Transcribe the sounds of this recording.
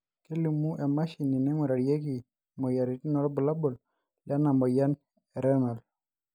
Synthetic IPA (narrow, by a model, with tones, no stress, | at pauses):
ke˦li˨mu˦ʔɛ˨ma˦ʃi˨ni˨nɛ˦ŋɔ˨ɾa˨ɾje˦k̬i˨ | mɔ˨ja˨ɾi˨ti˦nɔ˨ɾɔ˦bu˨la˦bɔ˨l | lja˦na˨mɔ˨ja˦n | ɛ˨ɾɛ˦nɔ˨l